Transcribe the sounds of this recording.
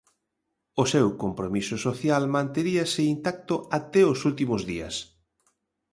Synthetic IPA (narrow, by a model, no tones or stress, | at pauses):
ʊsewkompɾomisʊsoθjalmãnt̪eɾiɐsɪint̪ak̚t̪ʊat̪ɛosult̪imʊzðiɐ̰s